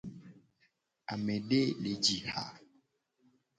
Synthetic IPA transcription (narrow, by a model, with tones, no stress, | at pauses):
a˨me˨ɖe˦le˨d͡ʒi˨ha̰˨